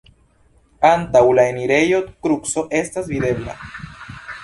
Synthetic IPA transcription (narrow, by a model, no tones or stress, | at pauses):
ant̪awlaeniɾe̞jod̪kɾukso̞ʔe̞st̪azviðe̞bla̰